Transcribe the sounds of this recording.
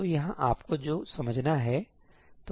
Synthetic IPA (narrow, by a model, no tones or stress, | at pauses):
ojɐɦãʔaːpkod͡ʒoːsɐməd͡ʒʱnaɦɛ | t̪o